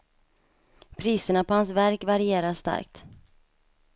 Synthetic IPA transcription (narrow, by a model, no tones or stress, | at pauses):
pʰɾiːsəɳapɔhans̬væɾkvaɾɪeːɾaʂt̪a̰ɾk̚t̪